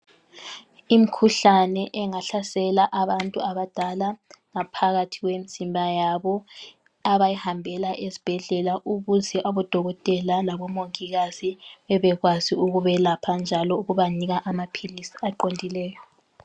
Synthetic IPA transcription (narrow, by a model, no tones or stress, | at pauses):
im̩kʰuɬanɛʔɛŋaɬasɛlaʔaβantʼuaβad̥ʱalaŋapʰaɣatʰiɣwemisimbʱajaβɔ | aβajihambʱɛlaʔezi̥b̥ʱɛɮɛlaʔuβuziʔaβɔd̥ʱɔɣɔtʼɛlalaβɔmoŋiɣaz̥iβɛβɛɣwaziuɣuβɛlapʰand͡ʒʱalɔuɣuβaniɣaʔamapʰilisi̥aǃondʱilɛːjɔ